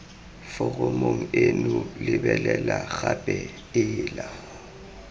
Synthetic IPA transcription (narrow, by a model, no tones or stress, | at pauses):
fʊɣomoŋ̩enulɪbɛlɛlaɣabʼɛ | ɪːla